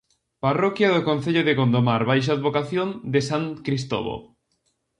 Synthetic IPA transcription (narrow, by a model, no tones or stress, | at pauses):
parɔkjaðokõn̟θeʎoðekond̪omaɾβajʃ̬aðβokaθjond̪esaŋkɾist̪o̰βo̰